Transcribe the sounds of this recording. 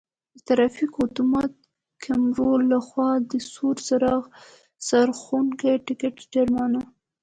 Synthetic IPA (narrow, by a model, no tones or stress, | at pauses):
d̪ət̪aɾafikʊt̪umɑt̪̚ | kʰamɾolaxwɑd̪əsuɾsaɾɑɣ | saɾxuŋkaʈɪkɪʈd͡ʒaɾmɑna